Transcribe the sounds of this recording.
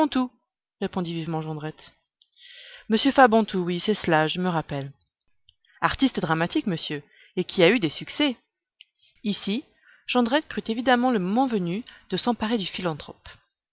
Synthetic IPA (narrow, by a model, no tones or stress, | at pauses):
t̪u | ʁepɔ̃d̪ivivmɑ̃ʒɑ̃d̪ʁɛt̪ | məsjøfabɑ̃t̪ʰuwisɛslaʒəməʁapɛl | aʁt̪ist̪d̪ʁamat̪ikməsjø | ekʲʰiayd̪esyksɛ | isi | ʒ̥ɑ̃d̪ʁɛt̪̚kχyt̪evid̪amɑ̃ləmɔmɑ̃vənyd̪̥əsɑ̃paʁed̪yfilɑ̃t̪χɔ̰p